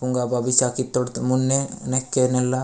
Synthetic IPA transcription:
kuŋɡababisakit̪ːɔɽt̪munːɛnɛkːɛnɛlːa

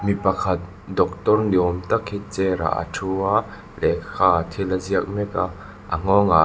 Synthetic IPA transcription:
mipɐkʰɐt̪̚ | d̪ɔk̚t̪ɔrniɔmt̪ɐkʰhit͡sɛɾa̰ʔa̰tʰuaʔ | lɛʔkʰaːt̪ʰilaziək̚mɛka | ʔɐŋ̥ɔŋa

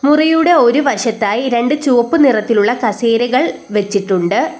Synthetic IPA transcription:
murijuːɽe̞o̞ɾuʋɐʂɐt̪ːaːjiɾe̞ɳɖɨt͡ɕuʋɐpːɨnirɐt̪ːiluɭːɐkɐseːɾɐɣɐɭ | ʋe̞t͡ɕːiʈːuɳɖɨ

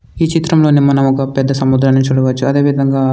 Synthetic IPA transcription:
iːt͡ʃit̪ɾɐmlo̞ːnimɐnɐmɔkɐpɛd̪ːɐsɐmud̪ɾaːnit͡ʃuːɽɐʋɐt͡ʃːuɐd̪e̞ːʋid̪ʱɐŋɡaː

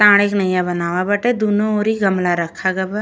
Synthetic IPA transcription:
t̪ãːɽ̃eːknəjãbənaːʋabəʈed̪oːnõoːɾiɡəmlaɾəkʰːaɡəba

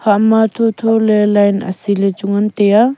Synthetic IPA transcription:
hamat̪ʰotʰolelajna̰silet͡ʃuŋant̪eja

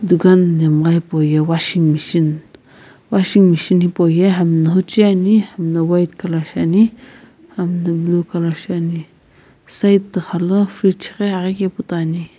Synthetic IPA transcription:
d̪uɡanːemɡaipojewaʃiŋmiʃin | waʃiŋmiʃinipojeɦamnaɦut͡ʃianihamnawajt̪kalaʃani | hamnɐblukalaʃani | sajt̪ːəxaləfɾit͡ʃʰi̥keaɣikeput̪ani

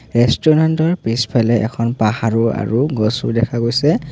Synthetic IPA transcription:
ɹɛstɔɹantɔɹpispʰɛlɛʔɛ̰kʰɔnpahaɹua̰ɹuɡɔsʊ̰ɹdɛkʰaɡojsɛ

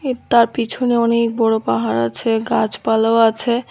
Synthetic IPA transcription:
et̪aɾpit͡ɕʰuneɔnek̚bɔɽopaɦaɾat͡ɕʰeɡad͡ʑpalaoat͡ɕʰe

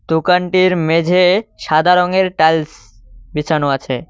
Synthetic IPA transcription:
d̪̥okaɳʈiɾmed͡ʑʱeʃad̪ʱaɾoŋeɾʈals | bit͡ɕʰanoat͡ɕʰḛ

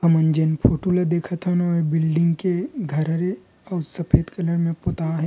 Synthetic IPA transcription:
ɐmɐnd͡ʒenpʰoːʈuːlad̪eːkʰat̪ʰanoebɪlɖɪ̃ŋɡkeɡʱɐɾəɾe | ɔːɾsɐpʰeːd̪kɐləɾmẽpoːt̪aɦɛ

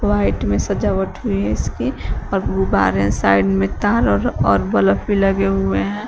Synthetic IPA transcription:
waɪʈmẽsəd͡ʒaʋəʈʰɦʊiɦɛɪskiɔːɾɡuba̰ːɾɛ̃saɪɖmẽt̪aːɾɔɾɔːɾbələfʰbiləɡeɦʊeɦɛ̃

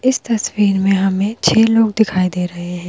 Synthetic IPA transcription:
ɪst̪ɐswiːɾmẽɦɐmẽt͡ʃʰeːloːɡd̪ɪkʰaːid̪eːɾɐɦeɦɛ̃ː

